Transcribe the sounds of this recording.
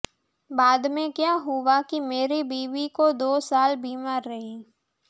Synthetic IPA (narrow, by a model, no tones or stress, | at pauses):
baːd̪mẽkjaːɦʊwakimeːɾibiːʋikod̪oːsaːlbiːmaːɾːɐɦi